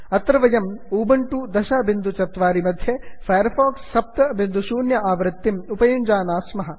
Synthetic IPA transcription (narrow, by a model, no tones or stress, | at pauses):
ɐt̪ɾɐʋɐjɐmuːbɐɳʈud̪ɐʃɐbind̪ut͡ʃɐt̪ʋaːɾimɐd̪ʱjefʰɐjɐɾfoːksːɐp̚t̪ɐbind̪ʱusuːnjɐaːʋɾɐt̪ːimupɐjuɲd͡ʒaːnaːsmɐɦɐ̆